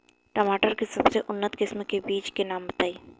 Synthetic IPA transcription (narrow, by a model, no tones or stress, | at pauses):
ʈəmaːʈəɾkesɐbseʔʊnːət̪kɪsmkebiːt͡ʃkenaːmbɐt̪aːiː